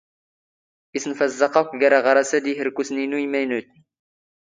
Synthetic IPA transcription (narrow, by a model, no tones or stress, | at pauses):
isənfæzːɑqɑkʷɡæɾæʁɑɾˤɑsæd̪iɦəɾkusninuimæjnut̪n